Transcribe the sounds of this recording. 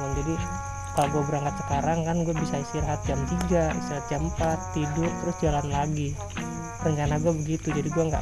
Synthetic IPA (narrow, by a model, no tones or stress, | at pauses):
and͡ʒadi | kaloɡuabəɾaŋkat̪sə̥kaɾaŋkanɡuabisaisirɦat̪̚d͡ʒamt̪iɡaḭst̪iɾhat̪̚d͡ʒampat̪ːidʊrt̪əɾʊsd͡ʒalanlaɡi | rəɲt͡ʃanaɡuɛbəɡit̪ud͡ʒadiɡuɛŋɡa̰